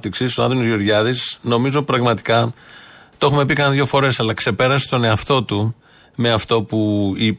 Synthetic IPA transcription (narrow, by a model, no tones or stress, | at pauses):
t̪iksist̪oɐnðonozʝoɾʝɐðisno̞mizopɾɐɣmɐt̪i̥kɐ | t̪o̞xume̞pikɐnðʝo̞fo̞ɾe̞sɐlɐkse̞pe̞ɾɐse̥t̪o̞ne̞ɐft̪o̞t̪u | me̞ɐft̪o̞pui